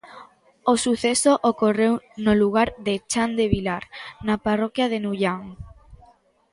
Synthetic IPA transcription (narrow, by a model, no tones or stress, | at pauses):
osuθesoʔokorewnoluɣaɾðet͡ʃand̪eβilaɾnaparɔkjað̞enuʎaŋ